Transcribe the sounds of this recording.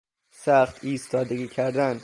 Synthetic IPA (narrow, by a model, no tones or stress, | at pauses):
sæχt̪iːst̪ɒːd̪eɡiːcʰæɾd̪æn